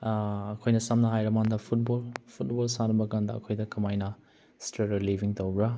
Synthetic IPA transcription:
ɐkʰojnɐsɐmnɐɦajɾɐmandɐpʰut̚bolpʰut̚bolsanɐbɐɡandɐɐ̰kʰojdɐkʰɐmajnɐ | stɾeɾɐlibʱiŋtowɡɾɐ

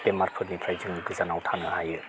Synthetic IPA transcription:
pemaɾpʰɯtnipʰɾajzɯŋɡɯzanawtʰanɯɦajɯ

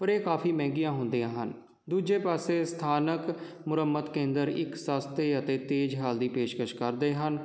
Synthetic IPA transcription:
pəɾeːkaːpʰiːmɛ̃ːɡijãːɦʊnd̪ijãːɦən | d̪uːd͡ʒeːpaːseːst̪ʰaːnək | mʊɾəmːət̪kẽːnd̪əɾɪ̰ksaːst̪ʰeːət̪eːt̪eːd͡ʒɦaːld̪iːpeːʃkəʃkəɾd̪eːɦən

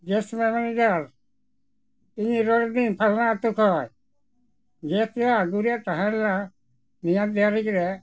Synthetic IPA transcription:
ɡɛsmɛmanid͡ʒaɾ | iɲiɾɔɾd̪inpʰalnaːt̪ukʰɔj | ɡet̪jaːɡuɾijat̪aɦãla | nijad̪ɛaɾikɾɛ

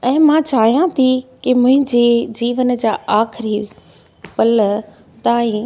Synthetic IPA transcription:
ɛ̃ːmãt͡ɕaːɦijãt̪ʰikimʊ̃ɦɪ̃ɲd͡ʑed͡ʑiːʋən̆d͡ʑaːaːxɪɾi | pɐlə | t̪aːĩ

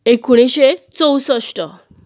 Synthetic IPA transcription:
ekuɽ̃iɕet͡səwsəsʈə

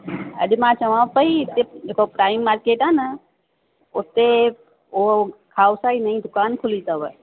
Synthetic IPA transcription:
ɐ̰dimãːt͡ʃɐʋãpəit̪ːed͡ʒekopɾaːimːaːɾkeːʈaːnɐ | ʊt̪e | okʰaːwsainaĩd̪ʊkaːnkʰʊlit̪əʋə

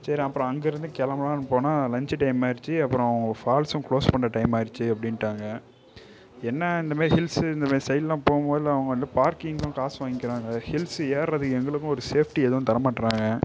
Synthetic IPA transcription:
sɐɾĩːɐpːɾɔ̃ɐŋɡɐɪɾɯnd̪ɯkɛlɐmɐlãːnɯpoːnaːlɐɲd͡ʒɯʈɐɪmaːɪɾɯt͡ʃːɯɐpːɯɾõːɐʋɐŋɡɐfaːlsʊ̃kɭoːspɐɳɾɐʈɐɪmaːɪɾɯt͡ʃːɯɐpːɐɽɪnʈːaːŋɡɐ | ɛnːɐɪnd̪ɐmaːɾiɦɪlsɪnd̪ɐmaːɾisɛjɪllãːpoːɣʊmpoːðɪlɐʋɐŋɡɐɐnd̪ɯpaːɾkɪŋɡʊ̃kaːsʋaːŋɡɪkːɪɾaːŋɡɐhɪlseːɾɾɐðɯkːɛŋɡɐɭɯkːʊ̃ɔɾɯseːfʈiɛðɐʋʊ̃t̪ɐɾɐmaːʈːɾaːŋɡɐ

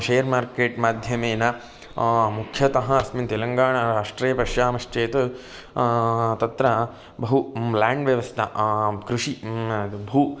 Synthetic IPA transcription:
ʃeːjɐɾmaːɾkeːʈmaːd̪ʱjɐmeːnɐ | mukʰjɐt̪ɐɦɐɐsmint̪elɐŋɡaːɳɐɾaːʂʈɾeːjɐpɐʃjaːmɐʂt͡ʃeːt̪ɐ | t̪ɐt̪ɾɐ | bɐɦulaːɳɖʋjɐʋɐst̪ʰɐkɾuʂi | bʱu

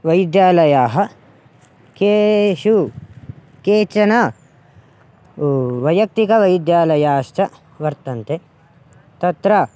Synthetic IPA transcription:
ʋɐjd̪jaːlɐjaːɦɐ̆ | keːʃu | keːt͡ʃɐnɐ | ʋɐjɐk̚t̪ikɐʋɐjd̪jaːlɐjaːʃt͡ʃɐ | ʋɐɾt̪ɐnt̪e | t̪ɐt̪ɾɐ

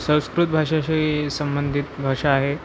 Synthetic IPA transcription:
sə̃w̃skɾut̪̚bʱaʂaɕesəmbənd̪ʱit̪bʱaʂaːɦe

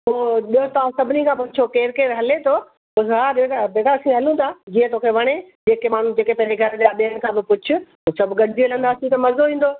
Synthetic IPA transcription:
ɦoːɗiot̪ɐʋãsɐbʱɪnikʰãːpʊt͡ɕʰokeːɾkeːɾɦɐlet̪ʰo | ʊɦaːbeabeːɡasĩɦɐlũt̪ʰad͡ʑiə̃t̪okʰeʋɐɽ̃ed͡ʑeːkemaːn̤ũd͡ʑeːkepɐ̃ɦɪ̃ɲd͡ʑeɡʱɐɾɗaɓiəɽ̃̆kʰãːbɪpʊt͡ɕʰʊ̆ɦoːsɐbʱɡɐɖɪd̪ielɐ̃nd̪aːsĩt̪ɐmɐzoɦĩːn̆d̪oː

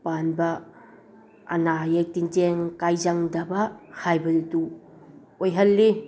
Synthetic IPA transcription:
panbɐ | ɐ̰najatinteŋkajzaŋdɐbɐhajbɐdutu | ojɦɐlːi

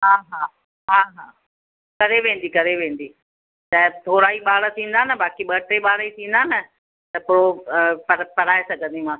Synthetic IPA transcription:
ɦaːɦaː | ɦaːɦaː | kɐɾeʋẽːn̆d̪ikɐɾeʋẽːn̆d̪iː | tɐ̃ɦɪ̃t̪ʰoːɾaːiɓaːɭə̆t̪ʰĩːn̆d̪aːnəbaːkiɓɐʈɾeɓaːɽet̪ʰĩːn̆d̪aːnɐ | t̪ɐpʊɾopɐpɐɽaːesɐɡʱə̃nd̪imãː

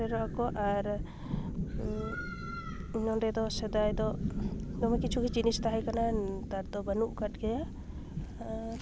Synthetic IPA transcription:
ɛɾɔʔakɔʔaɾ | ɲɔnɖɛd̪ɔsɛd̪ajd̪ɔd̪ɔmɛkit͡ʃʰukɛd͡ʒinist̪aɦajkanat̪aɾd̪ɔbənuʔkat̚ɡɛja

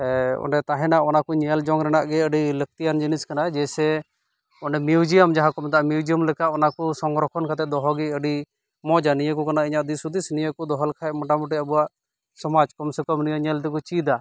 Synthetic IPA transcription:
ɔ̰ɳɖɛt̪aɦɛ̃naɔnakuɲɛld͡ʒɔŋɾɛnaʔɡɛəɖilək̚t̪ijand͡ʒiniskanad͡ʒɛsɛ | ɔɳɖɛmjud͡ʒijəmd͡ʒaɦãkɔmɛt̪aʔmjud͡ʒijəmlɛkaʔɔnakusɔŋɡɾɔkʰɔnkʰat̪ɛd̪ɔɦɔɡɛəɖi | mɔd͡ʒanijəkɔkanaiɲaʔd̪isud̪isnijəkɔd̪ɔɦɔlkʰaɛʔmɔʈamuʈ̬iəbuwaʔ | sɔmad͡ʒkɔmsɛkɔmnijəɲɛld̪ɛkut͡ʃid̪a

